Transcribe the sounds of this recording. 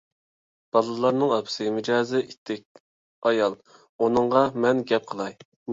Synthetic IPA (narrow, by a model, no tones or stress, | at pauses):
b̥ɑlˠɨlˠɑɾnɨŋɑpʰsɨmɪd͡ʒɑːzɪʔit̪ʰːɛk̚ʲ | ɑjɑlˠ | onɨɴʁɑmɛnɡʲɛp̚qʰəlˠɑj